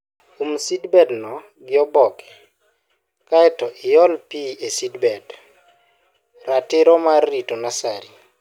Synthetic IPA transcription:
umsidbɛdnɔ | ɡɪɔbɔkɛ̥ | kaɛtɔʔɪjɔlpiesidbɛd | ratɪɾɔmarːitɔnasaɾi

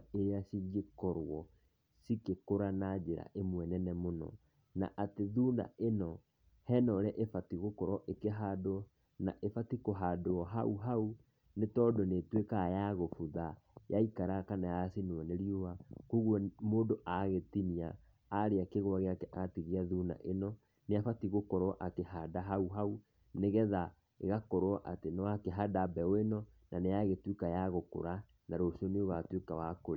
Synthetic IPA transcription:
eɾeasiŋɡekɔɾwɔ | sikekoɾanad͡ʒeɾa̰ʔemwɛnɛnɛmonɔ̰ | na̰ʔateðuːnda̰enɔ | hɛnɔɾɛʔefatiɣokɔɾɔʔekeɦaːdoɔ | naʔefatikoɦadoɔɦauɦau | netɔdɔnetwekajaɣofuða | jaikaɾakanajasinɛneɾiuwakoɣwɔmoːndoʔaɣetiniaː | ɾeakeɣwaɣeakɛʔatiɣiaðuna̰ʔenɔ | neafatiɣokɔɾɔʔakehadaɦauɦau | neɣɛða | ḛɣakɔɾoɔʔatenɔwakeɦadabɛoenɔnʔaneaɣetwukajaɣoko̰ɾa | naɾosiɔneoɣatwekawakoɾe

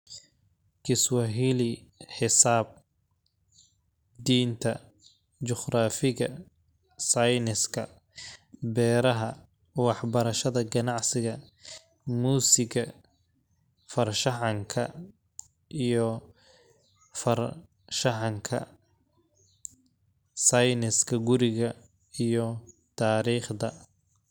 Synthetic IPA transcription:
kʰɪswɑɦiːlɪħɪsaːb̚ | d̪iːnt̪ʰɐ̰ | t͡ʃɔχɾaːfɪɣɐ | sɐjnɪskʰɐ | bɛːɾɐɦɐ | wɑħbɐɾɐʃɐðɐɡɐnɑʕsɪɣɐ | muːsɪɣɐ | fɐrʃɑʕɑŋkʰɐ | ʔijɔ | fɐr | ʃɑʕɑŋkʰɐ̰ | sɑjnɪskʰɐɡʊɾɪɣɐ | ijɔt̪ʰaːɾiːχd̪ɐ

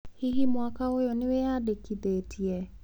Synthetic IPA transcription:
hiɦimwakaojɔnɪwejadekiðetʰiɛ

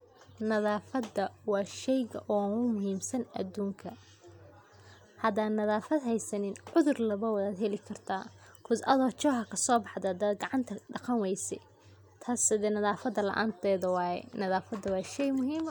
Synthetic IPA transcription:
nɐðaːfɐd̪ːɐwɑːʃɛjɣɐʔɔːnʊmʊɦiːmsɐnɐ̰d̪uːŋkʰɐ | hɐd̪aːnnːɐðaːfɐd̪ɦɛjsɐnɪnʕʊðʊrlɐβɐwɐðaːd̪ɦɛlɪkʰɐrt̪ʰaːkʰʊd̪ʔɐðɔːt͡ʃɔːɦɐkʰɐsɔːbɑħd̪ɐd̪ɐd̪ɡɑʕɑnt̪ʰɐɖɑqɑnwɛjsɛ̰ | t̪ʰaːsɪðɛnɐðaːfɐd̪ɐlɐ̰ʔa̰ːnt̪ʰɛːðɐwɑːjɛ̰nɐðaːfɐd̪ɐwɑːʃɛjmʊɦiːm

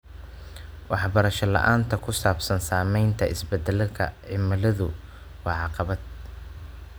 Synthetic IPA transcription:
wɑħbɐɾɐʃɐlɐ̰ʔaːnt̪ʰɐkʰʊsaːbsɐnsaːmɛjnt̪ʰɐʔɪsbɛd̪ɛlɐkʰɐ̰ʕɪmɐlɐðʊ̰ | wɑːʕɑqɑβɐd̪̥̚

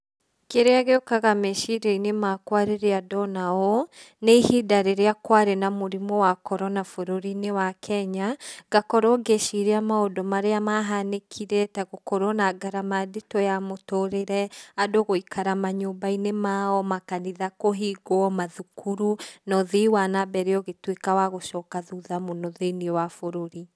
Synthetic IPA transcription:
keɾeaɣeɔkaɣameʃiɾɛinemakwaɾeɾeadɔnaɔ | neihidaɾeɾeakwaɾenamoɾimɔwakɔɾɔnafoɾoɾinewakʰɛɲaɡakɔɾɔɡeʃiɾeamaodɔmaɾeamaɦanekʰiɾɛtaɣokɔɾɔnaɡaɾamadetɔjamotoɾeɾɛadoɣoikʰaɾamaɲoːmbainemaɔmakaniðakoɦiɡɔmaðukuɾunɔðiwanabɛɾeɔɣetwekawaɣoʃɔkaðuðamonɔðeniɛwafoɾoɾi

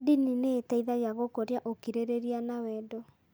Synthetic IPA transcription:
dinineːtaiðaɣeaɣokoɾjaʔokiɾeɾeɾianawɛdɔ

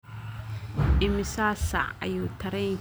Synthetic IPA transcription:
ʔɪmɪsaːsa̰ɐ̰juːt̪ʰɐɾɛn

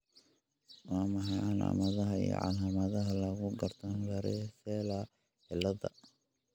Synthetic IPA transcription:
wɑːmɑħɑjala̰ːmɐðɐɦɐḭjɔ̰ʕɑ̰laːmɐðɐɦɐlɐɣʊɡɐrt̪ʰɐnwɐɾɛsɛːlɐ | ħɪlːɐðɐ̰

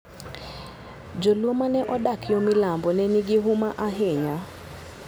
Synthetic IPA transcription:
d͡ʒolwomanɛʔɔdakjɔmɪlambɔnɛniɡɪɦʊmaʔaɦeɲa

